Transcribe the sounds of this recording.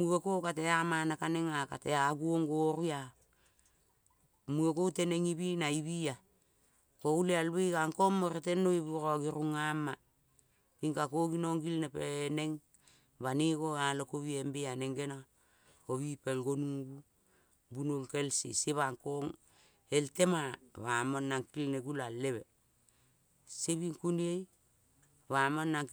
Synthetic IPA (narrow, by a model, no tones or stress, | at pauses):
muɡekokateamanakaneŋaka̰teaɡuoŋɡoɾua | muekowteneŋiβinaiβia | koulealβikaŋkomːoɾetenoiβuɾoaɡiɾuŋama | piŋkakoɡinoŋɡilnepeneŋ | baniɡoalokoβiembeaneŋɡena | oβipelɡonuɡu | bunolkelsḭseβaŋkoŋ | eltemaβamonːaŋkilneɡulalːeβe | seβiŋkuniej | βamanːaŋ